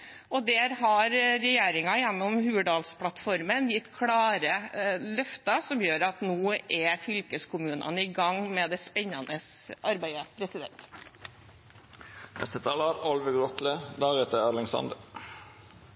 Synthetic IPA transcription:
ɔd̪ɛɾɦɑɾɾɛjeːɾɪŋɑjɛnːɔmhʉːəd̪ɑːlspʰlɑt̪fɔɾmənjɪt̪ːkʰɽɑːɾəlœft̪ɑsɔmjøːɾɑt̪noːʔɛfʏlkəskʰʊmʉːnʔɑ̰nəiɡɑŋmɛːd̪ɛspɛɲːɑnəsʔɑɾbæɪəpʰɾɛsɪd̪ɛ̰nt̪ | nʔɛ̰st̪ət̪ʰɑːlɑɾɔlʋəɡɾɔt̪ləd̪æːʁet̪əælɪŋsɑ̰nd̪ə

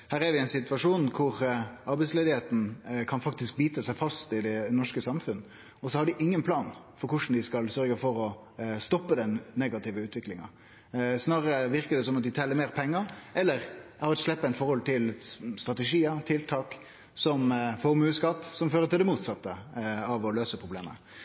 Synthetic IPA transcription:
hæːʁɛɾʋɪɛɪnsɪt̪ʋɑʂuːnkʰʊɾɑɾbæɪsleːd̪ɪheːt̪n̩kʰɑnfɑkt̪ɪsk̚biːt̪əsæɪfɑst̪ɪd̪ɛnɔʂkəsɑmfʉnːə | ɔsɔhɑɾɖɪʔɪŋːənpʰlɑːnfɔɾkʰʊʂn̩d̪ɪskɑlsœɾɡəfɔɾɔ | st̪ɔpːəd̪ɛnːeɡɑt̪ɪʋəʉːt̪ʋɪklɪŋɑ̰ | snɑːɾəʋɪɾkəd̪ɛsɔmɑt̪̚d̪ɪt̪ʰɛːlːəɾmeːɾpʰɛŋːəɾʔɛlːəɾʔæɾɑt̪ʂlɛpːəæɪt̪fɔɾhɔlt̪ʰɪlst̪ʁɑt̪ɛʂiːət̪ʰɪlt̪ʰɑːk | sɔmfoɾmʉːskɑt̪ːsɔmføːɾət̪ʰɪld̪ɛmuːt̪sɑt̪ːəɑʋɔløːsəpʰʁʊbleːmə̰

